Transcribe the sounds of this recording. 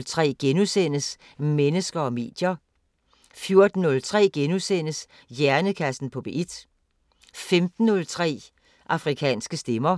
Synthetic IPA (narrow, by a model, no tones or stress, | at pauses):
lt͡sʰʁɛ̰ːɡ̥enusen̰əs | menəsɡ̥ɐɒ̽me̝̰ːd̥jɐ | fjo̝ɐd̥n̩ːɔ̽lt͡sʰʁɛ̰ːɡ̥enusen̰əs | jæɐnəkʰæsn̩pʰɒ̽b̥e̝ʔid̥ | femd̥n̩ːɔlt͡sʰʁɛ̰ː | ʔɑ̈fʁikʰɛ̰ːnsɡ̥əsd̥emɐ